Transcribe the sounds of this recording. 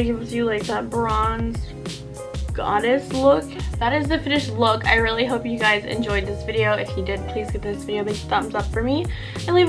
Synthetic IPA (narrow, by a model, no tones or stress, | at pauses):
ɡɪvzjɨlaɪk̚ðət̚b̥ɑ̃nz̥ | ɡ̥ɑ̰ɾɨstˡlʊkðəɾɨzðɨfɪ̃nɨʃlʊka̰ɪɹɪlˠiɦoʊpjɨɡaɪzɨ̰̃nd͡ʒɔɪd̪̚ðɪsv̥ɪɾioʊʔɨfhidɨd̚pʰl̥izɡɛt̪̚ðɪsvɪɾioʊbɨ̃θʌ̃mzʌpfə˞mi | ãnliv